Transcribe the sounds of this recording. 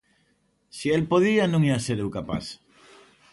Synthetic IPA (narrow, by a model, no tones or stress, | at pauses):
sielpoðianũŋiaseɾewkapa̰θ